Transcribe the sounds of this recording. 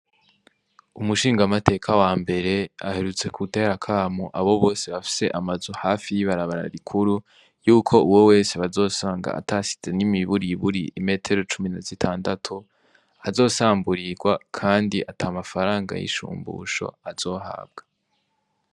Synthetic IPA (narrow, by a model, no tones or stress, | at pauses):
umuʃiːŋɡamate̞ːkʰawaːmbe̞ɾe̞a̰he̞ɾut͡se̞kʰute̞ːɾakʰaːmuʔaβo̞βo̞ːse̞βafi̥se̞ʔamazohaːfijiβaɾaβaɾa̰ɾikʰuɾu | juːkʰo̞uwo̞we̞ːseβazo̞ːsaːŋɡa̰a̰tasi̥z̥e̞nimiβuɾiβuɾḭʔime̞ːtʰe̞ɾo̞t͡ʃuminazitʰaːndatʰu | azo̞ːsaːmbuɾiɡwakʰaːndiʔataːmafaɾaːŋɡa̰jḭʃṵːmbṵːʃo̞̰az̥o̞ːɦa̰b̚ɡ̥ḁ